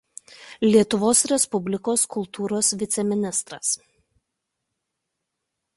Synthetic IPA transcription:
lʲiɛt̪ʊʋoːsɾʲɛspʊbʲlʲɪkoːskʊlˠˑt̪ʰuːɾoːsʋʲɪt̪sʲɛmʲɪnʲɪst̪ɾɐs

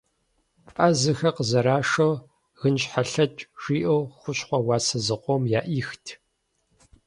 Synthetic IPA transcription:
ʔʼazɨxɐqəzɐɾaːʂow | ɣɨnɕħaɬɐt͡ʃʼʒ̥iːʔɐwxʷʊɕχʷɔwɑːsɐzɨqʷɔmjaːʔiːxtʰ

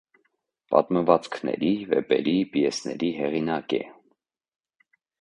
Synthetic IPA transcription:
pɑ̰t̪məvɑt͡skʰnɛ̰ɾivɛpɛɾipijɛsnɛɾiɦɛʁinɑkɛ

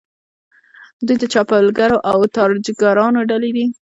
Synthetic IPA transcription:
d̪ujd̪ət͡ʃɑpəlɡaɾoʔawt̪ɑɾd͡ʒɡaɾɑnoɖaled̪i

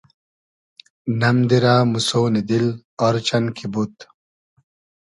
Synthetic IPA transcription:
nɐmd̪iɾaːmusoːnid̪il | ɔɾt͡ɕɐnkʰibut̪

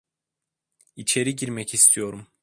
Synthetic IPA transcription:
it͡ʃʰe̞ɾiɟiɾmɛcist̪ʰijo̞ɾum

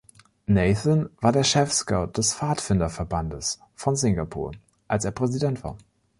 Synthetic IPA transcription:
nɛːθənvaːɐdeːɐʃɛfskaʊd̥ɛsfaːtfɪndɐfɛɐbandəs | fɔnzɪŋɡapʰṵːɐ | ʔalseːɐpʁ̥ɛzidɛntv̥a̰ːɐ

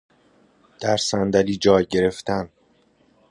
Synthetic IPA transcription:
d̪̥æɾsænd̪æliːd͡ʒɒːjɟe̞ɾe̞ft̪ʰæn

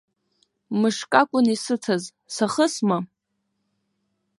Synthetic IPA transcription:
mɨʂkʼakʷʼʊnisɨt͡sʰaz | saχəsma

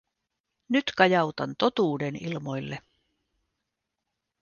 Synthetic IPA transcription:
nyt̪kɑjɑwt̪ɑnt̪o̞t̪uːdenilmo̞jlːe

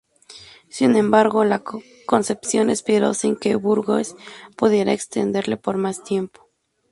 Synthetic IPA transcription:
sinẽ̞mbaɾɣo̞la | ko̞nse̞psjo̞nespiɾo̞̰siŋkeβuɾɣospuðje̞ɾaekst̪e̞̰nd̪e̞ɾle̞po̞ɾmast̪je̞mpo̥

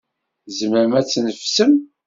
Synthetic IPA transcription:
zəməɾəmæt͡sːnəfsəm

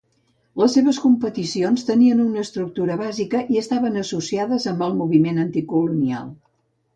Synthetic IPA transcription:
ləsːeβəskumpət̪isionst̪əniənunəːst̪ɾuk̚t̪uɾəβazikəʔiəst̪aβənəsusiaðəzəmbəlˠmuβ̞imenənt̪ikulunia̰lˠ

